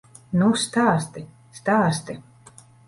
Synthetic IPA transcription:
nust̪aːst̪i | st̪aːst̪i

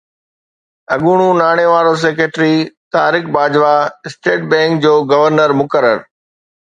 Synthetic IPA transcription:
ɐɠuːɽ̃ũnaːɽ̃eʋaːɾos̬eːkeːʈɾit̪aːɾɪkbaːd͡ʑʋaɪsʈeːʈ̚bɛ̃ːŋk̚d͡ʑoːɡɐʋəɾnəɾmʊkəɾə̰ɾ

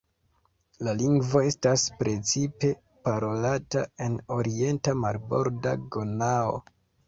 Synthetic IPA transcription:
laliŋɡvo̞e̞staspɾe̞t͡sipe̞ | paɾo̞latae̞no̞ɾie̞ntamaɾbo̞ɾda̰ɡonao̞̰

